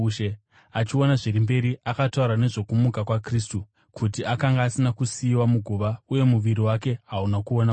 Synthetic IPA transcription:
ʃe | at͡ʃio̞naʐiɾimbe̞ɾiakatauɾane̞ʐo̞kumukakwakristu | kʰutiakaŋɡaːsinakusiːwamuɡʱuʋauje̞muʋiɾiwake̞ɦaunakuona

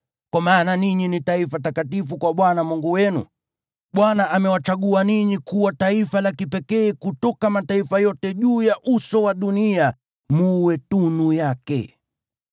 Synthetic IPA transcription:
kwamaːnaniɲinitaifat̬akatifukwaɓwanamuŋɡuwɛnṵ | ɓwanaʔamɛwat͡ʃaɠuaniɲikuwataifalakipɛkɛːkutɔkamataifajɔtɛʄuːjaʔusɔwaɗunia | muwɛtunujakɛ̰

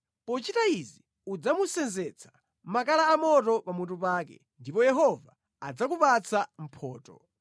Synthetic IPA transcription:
pɔt͡ʃitaizi | ud͡zamusɛnzɛt͡sʰḁ | mak̬alaːmɔtɔpamutupaːkɛ̰ | ndipɔjɛɦɔva̰ː | d͡zak̬upat͡sʰam̩pʰɔːtɔ̰

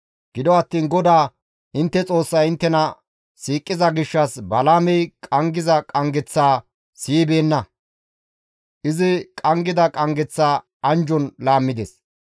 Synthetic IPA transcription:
ɡ̥ɪd̪ɔɐt̪ːiːnɡɔd̪aː | ɪnt̪ːɛt͡sʼo̞ːsːɐjɪnt̪ːɛnɐ | siːkʼːɪzɐɡɪʃːɐsbɐlaːmɛjkʼɐŋɡɪzɐkʼɐŋɡɛt͡sːaː | siːbe̞ːnːɐ | ʔɪzɪkʼɐŋɡɪd̪ɐkʼɐŋɡɛt͡sːaː | ɐnd͡ʒɔnlaːmːɪd̪ḛs

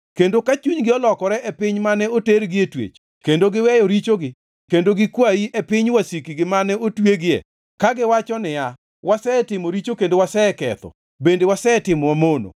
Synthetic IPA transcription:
kendokat͡ʃuɲɡɪɔlɔkɔɾɛʔɛpɪɲmanɛoteɾɡɪetwḛt͡ʃ | kendoɡɪwɛjɔɾit͡ʃoɡɪ | kendoɡɪkwaiʔepɪɲwasikiɡɪmanɛotweɡɪɛ̰ | kaɡɪwat͡ʃɔnɪja | wasɛtɪmoɾit͡ʃokendowasɛɛkɛ̰t̪ɔ̰ | bendewasɛtɪmɔwamono̰

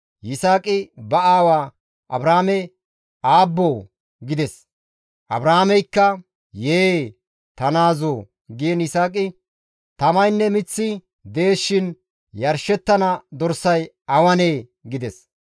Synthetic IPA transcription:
jɪsaːkʼɪbɐaːwaː | ʔɐ̰bɾaːmɛ | aːbːoː | ɡɪd̪ɛs | ʔɐ̰bɾaːmɛjkːɐ | jeː | t̪ɐnaːzoː | ɡɪjɛnɪsaːkʼɪ | t̪ɐmɐjnːɛmɪt͡sːɪ | d̪e̞ːʃːɪn | jɐɾʃɛt̪ːɐnɐd̪ɔɾsɐj | ɐwɐneː | ɡɪd̪ɛs

